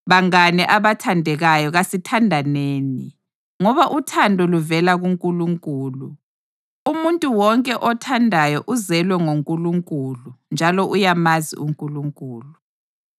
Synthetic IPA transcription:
βaŋanɛʔaβatʰandʱɛɣajɔɣasitʰandʱaneːni | ŋɔβaʔutʰandʱɔluvɛlaɣuŋkʼuluŋkʼuːlu | umuntʼuwɔŋkʼɛʔɔtʰandʱajɔʔuzɛlwɛŋoŋkʼuluŋkʼulund͡ʒʱalɔʔujamazḭuŋkʼuluŋkʼuːlu

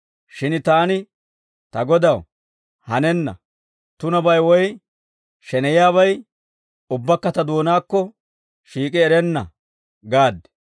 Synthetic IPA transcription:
ʃɪnt̪aːnɪ | t̪ɐɡɔd̪ɐw | hɐnɛnːɐ̰ | t̪ʊnɐbɐjwɔj | ʃɛnɛjaːβɐj | ʊbːɐkːɐt̪ɐd̪oːnaːkːɔ | ʃiːkʼɪɛɾɛnːɐ̰ | ɡaːd̪ɛ̥

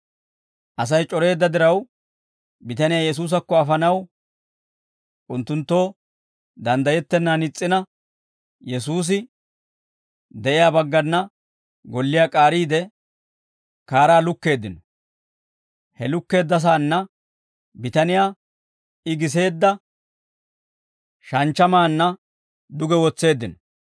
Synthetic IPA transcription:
ʔɐs̬ɐjt͡ʃʼɔɾe̞ːd̪ːɐd̪ɪɾɐw | bɪt̪ɐnɪjaːjɛs̬uːs̬ɐkːɔɐfɐnɐw | ʔʊnt̪ːʊnt̪ːo̞ː | d̪ɐnd̪ɐjɛt̪ːɛnːaːnɪt͡sʼːɪnɐ | jɛs̬uːs̬ɪ | d̪ɛʔɪjaːbɐɡːɐnːɐ | ɡɔlːɪjaːkʼaːɾiːd̪ɛ | kaːɾaːlʊkːe̞ːd̪ːɪnɔ | hɛlʊkːe̞ːd̪ːɐs̬aːnːɐ | bɪt̪ɐnɪjaː | ɪɡɪs̬e̞ːd̪ːɐ | ʃɐnt͡ʃːɐmaːnːɐ | d̪ʊɡɛwɔt͡sːe̞ːd̪ːɪnɔ

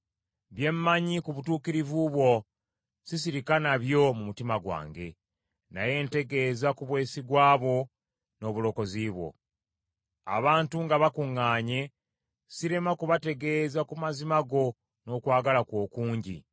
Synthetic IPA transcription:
βje̞mːaɲikuβutuːkiɾivuβwo̞ | sis̬iɾikanaβjo̞mumutimaɡwa̰ːŋɡe̞ | naje̞nte̞ɡe̞ːzakuβwe̞ːsiɡwaːβo̞ | no̞βulo̞ko̞ziːβwo̞̰ | a̰βaːntuŋɡaβakuŋːaːɲe̞ | siɾe̞makuβate̞ɡe̞ːzakumazimaɡo̞ | no̞kwaːɡalakwo̞ːkuːɲɟḭ

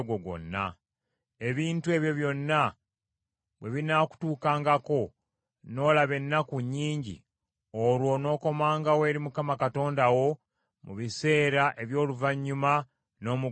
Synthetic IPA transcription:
ɡoɡo̞̰nːa | e̞βiːntue̞ːβjo̞βjo̞nːa | βwe̞βinaku̥tuːkaːŋɡako̞ | no̞ːlaβe̞nːakuɲːiːɲɟḭ | oɾwo̞no̞ːko̞maːŋɡawe̞ːɾimukamakato̞ːndawo̞ | muβise̞ːɾaʔe̞βjo̞ːluvaɲːuma | no̞ːmu

